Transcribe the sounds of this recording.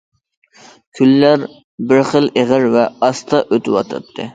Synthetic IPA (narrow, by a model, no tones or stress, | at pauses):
kʲʰylːæɾ | bɪɾχəlˠeʁəɾvɛɑst̪ʰɑʔøt̪ʰɪwɑ̰t̪ʰɨ̰p̚t̪ʰːɨ̰